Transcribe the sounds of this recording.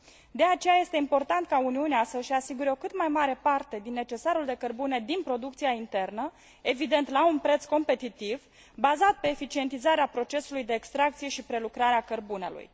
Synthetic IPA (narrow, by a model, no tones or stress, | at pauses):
d̪eat͡ʃe̞jaje̞st̪e̞impo̞rt̪ant̪kauniuneasəʃasiɡuɾeo̞kɨt̪majmaɾe̞part̪e̞d̪inːe̞t͡ʃe̞saɾuld̪e̞kərbune̞d̪inpɾo̞d̪ukt̪siaint̪e̞rnə | e̞vid̪ent̪launpɾe̞t̪sko̞mpe̞t̪it̪iv | bazat̪̚pe̞ːfit͡ʃie̞nt̪izaɾeapɾo̞t͡ʃe̞sulujd̪e̞ːkst̪ɾak̚t̪sije̞ʃipɾe̞lukɾaɾeakərbune̞̰lṵj